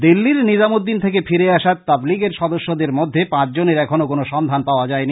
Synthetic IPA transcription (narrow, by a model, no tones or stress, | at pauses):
d̪ilːiɾnid͡ʑamod̪ːint̪ʰekefʰiɾeaʃat̪t̪abliɡeɾʃɔd̪oʃːod̪eɾmod̪ʱːepãt͡ɕʰd͡ʑoneɾɛkʰonokonoʃɔnd̪ʱanpaoad͡ʑaeni